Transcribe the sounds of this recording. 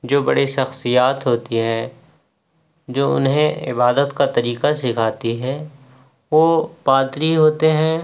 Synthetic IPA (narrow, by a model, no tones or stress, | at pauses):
d͡ʒoːbɐɽiʃɐxsijaːt̪ɦoːt̪iɦɛ̃ | d͡ʒoːʊ̰nɦẽɪ̰baːd̪ət̪kat̪ɐɾiːqasɪkʰaːt̪iɦɛː | ʋopaːt̪ɾiɦoːt̪eɦɛ̃ː